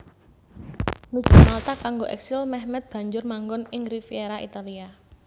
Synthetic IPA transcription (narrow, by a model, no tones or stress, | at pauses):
nud̥ʒ̥ṳmalt̪akaŋɡoʔɛ̰ksɪlmɛhmɛt̪̚b̥ä̤ɲd͡ʒʊrmaŋɡɔnɪŋrifieɾaʔit̪alia